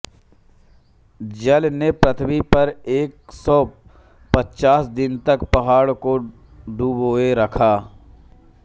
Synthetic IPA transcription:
d͡ʒɐlnepɾət̪ʰbipɐɾeːksɔː | pɐtːt͡ʃaːsd̪ɪnt̪ɐkpɐɦaːɽko | ɖuːboːeɾɐkʰaː

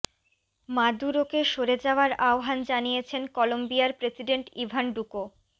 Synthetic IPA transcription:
mad̪uɾokeʃoɾed͡ʑaoaɾaoɦand͡ʑanijet͡ɕʰenkɔlombiaɾpɾesiɖeɳʈibʱanɖuko

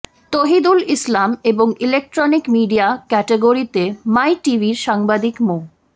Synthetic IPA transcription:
t̪oɦid̪ulislameboŋilek̚ʈɾɔnikmiɖijakɛʈeɡoɾit̪emajʈibiɾʃaŋbad̪ikmo

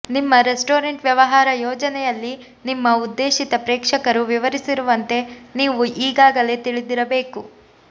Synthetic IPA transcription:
nimːɐɾesʈoːɾɐɳʈʋjɐʋɐɦaːɾɐjɔːd͡ʒɐnɛjɐlːi | nimːɐud̪ːe̞ːʃit̪ɐpɾɛːkʂɐkɐɾuʋiʋɐɾisiɾuʋɐnt̪e̞niːʋuʔiːɡaːɡɐle̞ːt̪iɭid̪iɾɐbe̞ːku

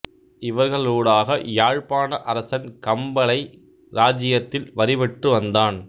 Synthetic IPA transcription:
ɪʋɐɾɣɐɭoːɽaːɣɐjaːɻpaːnɐʔɐɾɐsɐnkɐmbɐɭɐɪ | ɾaːd͡ʒɪjɐt̪ːɪlʋɐɾɪʋɛʈrɯʋɐnd̪aːn

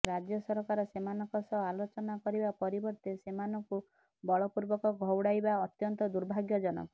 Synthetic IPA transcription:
ɾad͡ʒjɔsɔɾɔkaɾɔsemanɔŋkɔsɔɦalot͡ʃɔnakɔɾibapɔɾibɔɾt̪esemanɔŋku | bɔɭɔpuɾbɔkɔɡʱɔwɽajbaɔt̪jɔnt̪ɔd̪uɾbʱaɡjɔd͡ʒɔnɔ̰kɔ

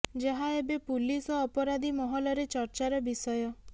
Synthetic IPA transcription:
d͡ʒeɦaebepulisɔːpɔɾad̪ʱimɔɦɔlɔɾet͡ʃɔɾt͡ʃaɾɔbisɔjɔ

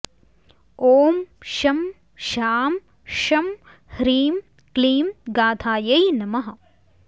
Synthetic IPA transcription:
oːmʃɐm | ʃaːm | ʃɐm | hɾiːm | kliːmɡaːt̪ʰaːjɐjnɐmɐɦɐ

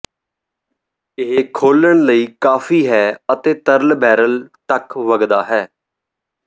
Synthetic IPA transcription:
ɪɦkʰoːləɳ̃ləiːkaːfʰiːɦɛːət̪eːt̪əɾlbʱɛːɾəlt̪əkʋəɡd̪aːɦɛː

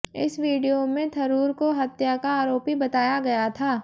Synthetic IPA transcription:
ɪ̰sʋiːɖijomẽt̪ʰɐɾuːɾkoɦɐt̪jakaːɾoːpibɐt̪aːjaɡɐjat̪ʰaː

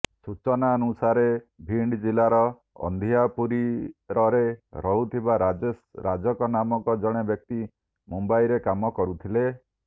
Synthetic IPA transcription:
sut͡ʃɔnaɔnusaɾebʱiɳɖd͡ʒilaɾɔ | ɔ̰nd̪ʱiapuɾiɾɔɾeɾɔɦut̪ʰibaɾad͡ʒesɾad͡ʒɔkɔnamɔŋkɔd͡ʒɔɽ̃ebjɔk̚t̪i | mumbaiɾekamɔkɔɾut̪ʰile

